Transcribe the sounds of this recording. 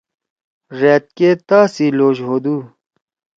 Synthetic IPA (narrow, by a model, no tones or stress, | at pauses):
ɾeːt̪̚ket̪aːsiloːʑɦoːd̪uː